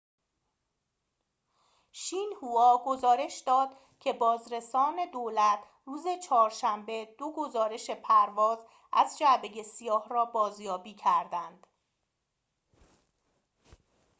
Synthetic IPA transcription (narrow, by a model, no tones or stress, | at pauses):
ʃiːnhuɒːɡo̞zɒːɾe̞ʃd̪ɒːd̪̥ | cʰe̞bɒːzɾe̞sɒːne̞d̪oːlæt̪ʰ | ruːze̞t͡ʃʰɒːɾʃæmbe̞d̪̥oɡo̞zɒːɾe̞ʃe̞pʰæɾvɒːz | ʔæzd͡ʒæbeje̞sijɒːhrɒːbɒːzjɒːbiːcʰæɾd̪ænd̪̥